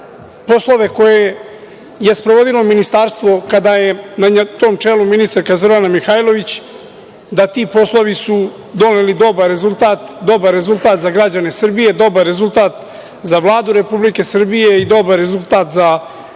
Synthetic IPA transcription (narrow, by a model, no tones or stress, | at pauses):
po̞slˠo̞ʋeko̞je̞ | je̞spɾoʋo̞d̪ilo̞minist̪aɾst̪ʋo̞kad̪aje̞nat̪o̞ːmt͡ʂeːluminist̪aɾkazoɾanamixajlo̞ʋit͡ɕ | d̪at̪iːpo̞slˠo̞ʋisu | d̪o̞ne̞lid̪o̞baɾɾe̞zulˠt̪aːt̪d̪o̞baɾːe̞zulˠt̪aːt̪zaɡɾad͡ʑane̞sr̩bije̞d̪o̞baɾːe̞zulˠt̪aːt̪ | zaʋlˠaːd̪uɾe̞publike̞sr̩bije̞id̪o̞baɾːe̞zulˠt̪aːt̪za